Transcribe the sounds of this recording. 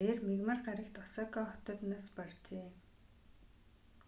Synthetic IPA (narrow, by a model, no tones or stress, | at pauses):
eːrmiɣmə̆rɢaɾə̆kt̪ɔsɔːkɔɔt̪ɞ̆t̪naːspart͡ɕeː